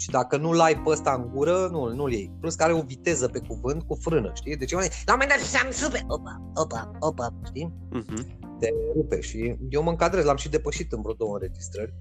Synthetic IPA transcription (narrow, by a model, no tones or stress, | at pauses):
ʃid̪akənulajpəst̪aɨŋɡuɾənunuljejpluskaɾeo̞vit̪e̞zəpe̞kuvɨnt̪̚kufɾɨnə̰ʃt̪ijd̪e̞t͡ʃemalamomend̪at̪samnsupeopa | opa | opapʃt̪i | t̪eɾupḛʃijewməɨŋkad̪ɾezlamʃid̪e̞pəʃit̪ɨnpɾod̪owəɨnɾed͡ʒist̪ɾərʲ